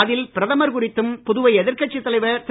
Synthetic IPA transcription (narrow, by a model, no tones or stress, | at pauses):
ɐðɪlpɪɾɐðɐmɐɾkʊrɪt̪ːɯmpʊðʊʋɐɪɛðɪɾkɐʈ̚t͡ʃːɪt̪ːɐlɐɪʋɐt̪ɪ